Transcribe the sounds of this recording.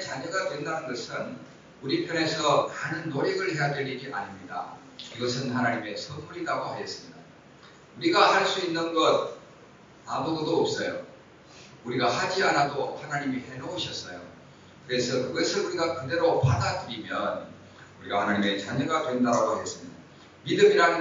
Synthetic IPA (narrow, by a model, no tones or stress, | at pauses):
et͡ɕaɲʌɡatwendanɯnɡʌsʰɯn | uɾipʰjʌne̞sʰʌmaːnɯnːoɾeɡɯɭhe̞jadwe̞ɾiɡiʔa̰ɲimɲida̰ | iɡʌsʰɯnhanaɲime̞sʰʌnmuɾiɾaɡohajʌs͈ɯmɲida | uɾiɡahaɭs͈uinːɯnɡʌd̚ | amododoːp̚s͈ʌjo̰ | uɾiɡahad͡ʑianadohanaɲimihe̞nʌuɕʰʌs͈ʌjo̰ | kɯɾe̞sʰʌkɯɡʌsʰɯnuɾiɡakɯde̞ɾopadadɯɾimjʌn | uɾiɡa̰hanaɲime̞t͡ɕaɲʌɡatwe̞ndaɾaɡohajʌs͈ɯmɲida | midɯmiɾanɯ